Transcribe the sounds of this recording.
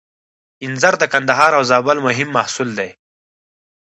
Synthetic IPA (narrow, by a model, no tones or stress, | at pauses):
ɪnzaɾd̪əkɐnd̪ɐɦɑːɾawzaːbalmʊɦɪmːahsuld̪ej